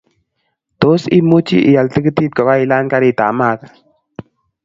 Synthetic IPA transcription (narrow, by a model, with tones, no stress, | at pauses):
t̪o˦sḭ˦mu˦t͡ʃḭ˦ʔi˨a˨lt̪i˦kə˦t̪i˦t̪̚kə˨wa˦i˨laː˦nka˦ɾi˦˨t̪a̰ː˨maː˦ka˨